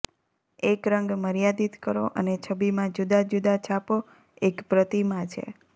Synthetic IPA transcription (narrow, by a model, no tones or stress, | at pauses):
ekɾəŋɡməɾjad̪it̪kəɾo̰ʔə̰net͡ʃʰəbimãd͡ʒud̪ad͡ʒud̪ʱat͡ʃʰapo | ekpɾət̪imãt͡ʃʰḛ